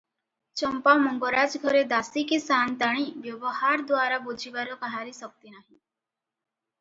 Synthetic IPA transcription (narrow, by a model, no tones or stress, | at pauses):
t͡ʃəmpamɔŋɡɔɾad͡ʒɡʱɔɾed̪asikisant̪aɽ̃iʋjɔʋəɦaɾd̪ʋaɾabod͡ʒʱiʋaɾɔkaɦaɾisək̚t̪inaɦĩ